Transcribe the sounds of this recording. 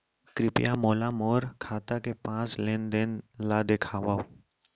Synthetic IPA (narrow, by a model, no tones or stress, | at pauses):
kɾɪpɪjamoːlamoːɾkʰaːt̪akepãːslẽːnd̪enlad̪ekʰaːʋaː